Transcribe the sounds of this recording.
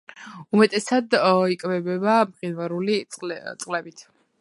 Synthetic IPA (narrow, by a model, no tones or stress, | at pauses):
umɛt̪ʼɛsad̪ikʼvɛbɛbamχinvaɾulitʼt̪sʼqʼlɛbit̪ʰ